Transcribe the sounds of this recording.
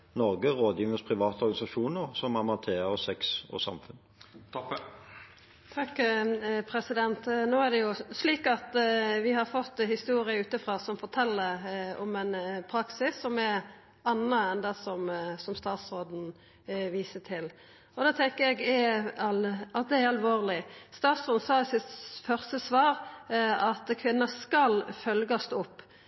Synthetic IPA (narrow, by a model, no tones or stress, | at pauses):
nɔʁɡəʁoːd̪jiːʋəspʰʁɪʋɑːt̪əɔɾɡɑnɪsɑʃuːnəʁsɔmɑmɑnt̪ʰeːʁəsɛksɔ̰sɑ̰mfʉn | t̪ʰ | t̪ʰɑkː | pʰɾɛsɪd̪ɛnt̪noːæʁd̪ɛjʊsliːkɑt̪ʋɪhɑɾfɔt̪ːhɪst̪uːɾɪəʉːt̪əfɾɑːsɔmfɔɾt̪ʰɛlːəɾɔmɛnpʰɾɑksɪsːɔmɛɾ | ɑnəɛnd̪ɑsɔmsɔmst̪ɑːt̪sɾoːd̪n̩ | ʋiːsət̪ʰɪl | ɔd̪ɑːt̪ʰɛŋkəjɛɡɛɑlɑt̪̚d̪ɛɛɾɑlʋoːʁlɪst̪ɑːt̪sɾoːd̪n̩sɑːɪsɪt̪fœʁst̪əsʋɑːɾɑt̪kʰʋɪnːɑskɑlfœlɡɑst̪ːʊpː